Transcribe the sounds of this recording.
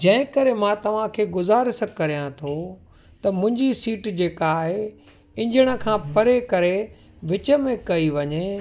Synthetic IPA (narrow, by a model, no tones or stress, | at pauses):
d͡ʑɐ̃ɦɪ̃kɐɾemãːt̪ɐʋ̤ãkʰeːɡʊzaːɾsɐ̃kːɐɾijãt̪ʰo | t̪ɐmʊ̃ɪ̃ɲd͡ʑisiːʈd͡ʑeːkaːɦe | ɪ̃ɲd͡ʑəɽ̃ə̆kʰãːpɐɾekɐɾe | ʋɪt͡ɕə̆mẽkɐiʋɐɲe